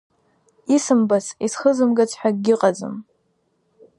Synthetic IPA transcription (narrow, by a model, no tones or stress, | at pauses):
isɨmbasisχəzɨmɡat͡sʷʰʼħʷᶣaɡɡʲɪqʼad͡zɨ̰m